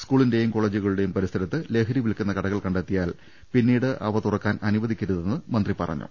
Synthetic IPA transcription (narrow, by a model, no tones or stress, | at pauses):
skuːɭinde̞jumko̞ːɭeːd͡ʑuɣɐɭuɽe̞jumpɐɾist̪ʰɐɾɐt̪ːɨle̞ːkʰɐɾiʋilkʲːunːɐkɐɽɐɣɐɭkɐɳɖet̪ːijaːl | pinːiːɽɨʔɐʋɐt̪urɐkːaːnʔɐnuʋɐd̪ʱikʲːɐɾuðe̞nːɨmɐnd̪ripɐ̰rɐ̰ɲːṵ